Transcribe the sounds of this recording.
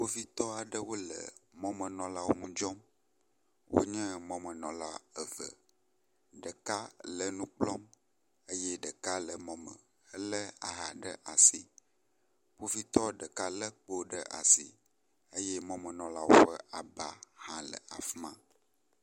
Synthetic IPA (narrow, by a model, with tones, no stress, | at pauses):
ɸo˦vi˦t̪ɔ˦a˨ɖə˦wo˦lə̰˨mɔ̃˦mə̃˨nɔ̃˨la˦wo˦mũ˦d͡ʒɔ˦m | wo̰˦ɲɛ̃˦mɔ̃˦mə̃˨nɔ̰̃˨la˦ə˨və̰˨ | ɖə˨ka˦lə˨nũ˦k͡plɔ˦m | ə˦jɛ˦ɖə˨ka˦lə˨mɔ̃˦mə̰̃˨ | ə˦lə˦a̰˨ɦa˨ɖə̰˦ʔa˨si˨ | ɸo˦vi˦t̪ɔ˦ɖə˨ka˦lə˦k͡po˦ɖə˦ʔa̰˨sḭ˨ | ə˦jɛ˦mɔ̃˦mə̃˨nɔ̃˨la˦wo˦ɸə˦a˨ba˦hã˦lə̰˨a̰˨fmã˦